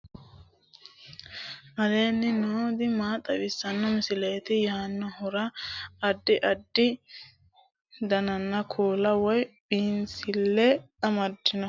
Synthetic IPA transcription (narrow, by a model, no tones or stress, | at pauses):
ʔɐd̪eːnːɪnoːd̪ɪmaːt̪ʼːɐwɪsːɐnːɔmɪsɪleːt̪ɪjaːnːɔɦʊɾɐɐdːɪʔɐdːɪ | d̪ɐnɐnːɐkʰoːlɐwɔjbiːnsɪlːɛ | ɐmɐdːɪnɔ